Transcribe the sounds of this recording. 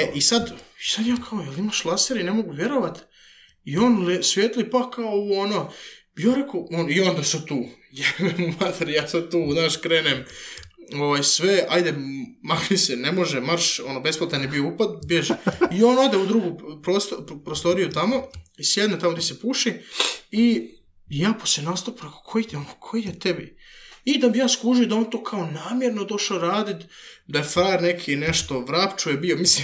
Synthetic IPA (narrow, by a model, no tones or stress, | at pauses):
eʔisad̪isad̪jaːkʰaojelimaʃlˠaseɾine̞mo̞ɡuʋʲje̞ɾoʋat̪ | ioːnlsʋjet̪lipakaouono | ioɾekoonio̞nd̪asad̪̚t̪uː | jaemumat̪ʰeɾjaːsad̪̚t̪uːnaːʃkɾeːnem | oʋajsʋeajd̪emakisenemo̞ʒemaɾʃonobe̞splat̪enibioupat̪̚bjeʒeio̞ːnod̪eud̪ɾuɡupɾost̪opɾost̪o̞ɾijut̪amo̞isjed̪net̪amo̞t̪isepuʃii | jaːposenast̪apɾeko̥kʰojit̪onokʰojijet̪ebḭid̪abijaːskuʒijod̪ao̞ːnt̪oːkʰao̞naːmjeɾno̞d̪o̞ʃaoɾaːd̪it̪d̪ajefaɾnekʰineʃt̪o̞ʋɾapt͡ʃujebio̞mislim